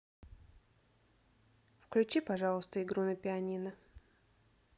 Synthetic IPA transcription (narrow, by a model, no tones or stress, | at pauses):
fklʲʉt͡ɕipɐʐɑlˠəst̪əɪɡɾunəpʲɪɐnʲinə